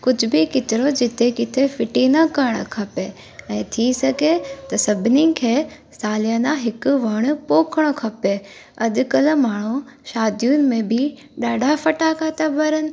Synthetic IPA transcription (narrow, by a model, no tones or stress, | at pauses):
kʊd͡ʑʱʊ̆bɪkɪt̪ɪɾod͡ʑɪt̪ʰekɪt̪ʰefɪʈinɐkɐɾɽ̃okʰɐpe | ɛ̃ːt̪ʰisɐɡʱet̪ɐsɐbʱɪnikʰeː | saːlijə̃nãɦɪkʊʋɐɽ̃ʊ̆poːkʰəɽ̃okʰɐpe | ɐdʊ̆kɐlmaːɳ̤̃uʃaːd̪ijʊnɪ̆mẽbɪ | ɗaːɖʱafɐʈakʰaːt̪ʰabɐɾənɪ̆